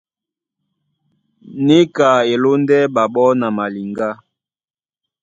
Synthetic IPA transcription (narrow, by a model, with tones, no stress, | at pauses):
ne˦ka˨e˨lo˦ndɛ˦ɓa˨ɓɔ˦na˨ma˨li˨ŋɡa˦